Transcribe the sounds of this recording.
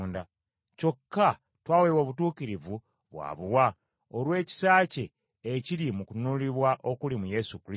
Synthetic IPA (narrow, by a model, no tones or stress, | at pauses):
nda | co̞kːa | twaːwewoːβutuːkiɾivu | βwa̰ːβuwa | olwe̞ːci̥saːce̞ː | ciɾimukunuliβwaʔo̞kulimuje̞sukɾi